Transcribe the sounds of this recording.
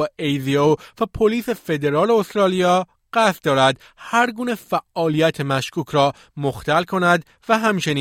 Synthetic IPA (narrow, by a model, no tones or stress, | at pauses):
æejziovæpʰoliːse̞fe̞d̪e̞ɾɒːleost̪ɾɒːlijɒː | ɢ̥æst̪d̪ɒːɾæd̪ | hæɾɡuːnefæʔːɒːlijæt̪ʰemæʃkʰuːcʰɾɒː | moxt̪ælkʰo̞næd̪ | væɦæmt͡ʃʰe̞niː